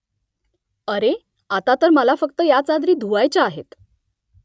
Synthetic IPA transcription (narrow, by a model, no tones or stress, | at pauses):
əɾe | at̪at̪əɾməlafək̚t̪əjat͡sad̪ɾiːd̪ʱuʋajt͡ɕaaɦet̪